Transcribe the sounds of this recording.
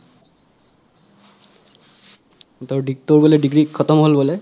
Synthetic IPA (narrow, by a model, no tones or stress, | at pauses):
toɹɖit̪oɹbɔleɖiɡɹikʰːɔt̪ɔmɦolbɔlɛ